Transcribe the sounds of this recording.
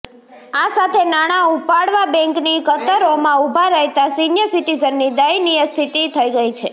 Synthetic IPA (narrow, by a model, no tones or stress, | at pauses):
asat̪ʰenaɽ̃aupaɽʋabɛ̃ŋknikət̪əɾomãubʱaɾɛɦt̪asinjəsiʈizənːid̪əiniəst̪ʰit̪it̪ʰəiɡəit͡ʃʰe